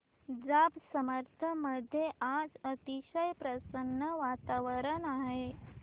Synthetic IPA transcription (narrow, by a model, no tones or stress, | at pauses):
d͡zabsəməɾt̪ʰəməd̪ʱjeʔad͡zət̪iʃəjpɾəsənːəʋat̪aʋəɾənaɦe